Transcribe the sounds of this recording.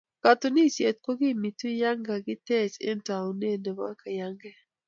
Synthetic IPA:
ka˨to˨ni˦˨sje˨t̪̚ko˦ɡi˦˨mi˨tu˦ja˦ŋɡa˨ɡɪ˦tɛ˦˨t͡ʃḛ˦nta˨u˨ne˦˨ndo˨ma̰˦ka˨ja˦ŋɡɛ˦

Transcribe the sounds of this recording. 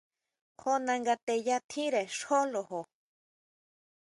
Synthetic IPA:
konaŋɡa˧t̪e˨jat̪ʰi˦ɾe˨ʂo˦lo˨ho˨

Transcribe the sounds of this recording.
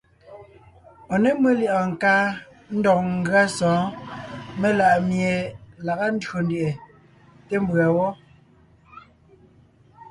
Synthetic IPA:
ɔ˨ne˦me˦ljʔɔ˨ŋ̩˨kaː˦ | n̩˦dɔ˨k̚ŋ̩˦ɡɰa˦sɔ̃ː˨˦ | me˦la˨ʔmje˨la˨ɣa˦n̩˦dɰo˨n˦di˨ʔe˨ | te˦m˦bɰa˨wɔ˦

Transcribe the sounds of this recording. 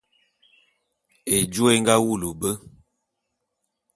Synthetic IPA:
e˨d͡ʒu˦e˦ŋɡa˦wu˦˨lu˨bə˦

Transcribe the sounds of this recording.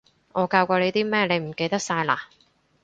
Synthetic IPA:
ŋʔɔː˨˧kaː˧wkʷɔː˧le˨˧jt̪iː˥mɛː˥le˨˧jm̩˨˩ke˧jt̪ɐ˥k̚saː˧jla̰ː˧

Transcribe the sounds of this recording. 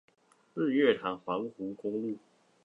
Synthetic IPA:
s̩˥˧ɥɛ˥˩t̪ʰa˨˥ŋfa˨˦˥ŋxu˨˥kʊ˥ŋlu˥˨

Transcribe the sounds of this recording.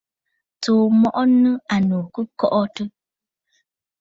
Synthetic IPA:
toː˨mɔ˦ʔɔ˦nɨ̃˦a˨no˨kɨ˦kɔ˦ʔɔ˦tɨ˦

